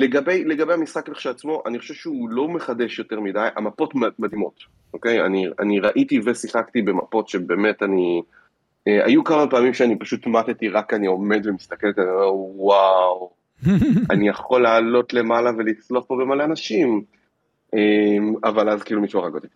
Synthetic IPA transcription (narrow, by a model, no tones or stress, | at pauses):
le̞ɡabe̞jle̞ɡabejhamisχakleχʃaat͡smo̞ʔa̰niχoʃe̞vʃeulo̞me̞χade̞ʃjo̞te̞ʁmidajʔa̰mapo̞tmmad̪imo̞t | ʔoke̞ja̰nia̰niʁaʔitivesiχaktibe̞ma̰po̞tʃebe̞ːme̞tani | ea̰jukamapaːmimʃeanipaʃutmatetiʁakanio̞me̞dvemist̪akeletanioewaw | a̰nijaχo̞laːlo̞tle̞malave̞lit͡sloaχpo̞bemaleanaʃim | ʔemavalazkiilumiʃuaʁaɡot̪i̥